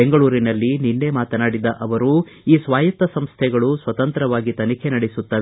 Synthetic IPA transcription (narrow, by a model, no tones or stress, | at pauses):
eŋɡɐɭuːɾinɐlːininːe̞maːt̪ɐnaːɽid̪ɐʔɐʋɐɾu | iːsʋaːjɐt̪ːɐsɐmst̪ʰɛɡɐɭusʋɐt̪ɐnt̪ɾɐʋaːɡit̪ɐnikʰenɐɽisut̪ːɐʋ